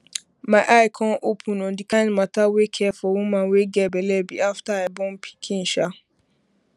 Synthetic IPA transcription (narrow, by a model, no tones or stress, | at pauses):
mãɪʔaɪkʰɔ̃nʔopʰũnɔ̃ndikʰãɪnmatawekʰɛfɔwũmãnweɡɛbɛlɛbiaftaabɔ̃mpʰi̥kʰĩn̩ʃa